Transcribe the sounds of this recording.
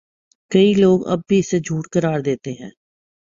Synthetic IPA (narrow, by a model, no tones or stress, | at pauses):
kɐiloːɡɐ̰b̚bʱiɪsed͡ʒʱuːʈkəɾaːɾd̪eːt̪eɦɛ̰̃ː